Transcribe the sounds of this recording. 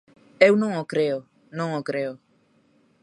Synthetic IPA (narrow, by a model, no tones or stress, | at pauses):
ewunoŋokɾeo | nɔŋokɾeo